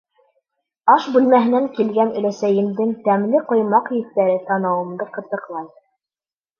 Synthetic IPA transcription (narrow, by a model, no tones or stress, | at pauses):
ɑʃbʉlmæɦɘ̆næŋkilɡænɵ̆læsæjɘ̆nd̪ɘŋt̪æmlɘqŏjmɑqjɘ̆t̪ːæɾɘt̪ɑnɑwɤ̆md̪ɤqɤ̆t̪ɤ̆qlˠɑj